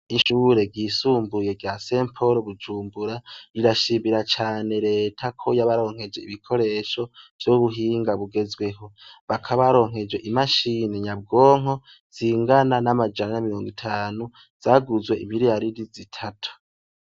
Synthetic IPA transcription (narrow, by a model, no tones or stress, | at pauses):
iʃuːɾe̞ɡɡisuːmbuje̞ɡjaseːmpʰo̞ɾoβud͡ʒuːmbuɾaɾiɾaʃiːmiɾat͡ʃaːne̞ɾe̞ːtʰakʰo̞jaβaɾo̞ːŋhe̞d͡ʒe̞iβikʰo̞ɾe̞ːʃo̞v̥joβuɦiːŋɡaβuɡe̞zwe̞ɦo̞βakʰaβaɾo̞ːŋɦe̞d͡ʒwe̞ʔimaʃineɲab̚ɡo̞ːŋ̥o̞ | z̥iŋɡananamad͡ʒananamiɾo̞ːŋɡitʰaːnu | z̥aɡuzwe̞ʔimiɾijaɾidizitʰatʰu̥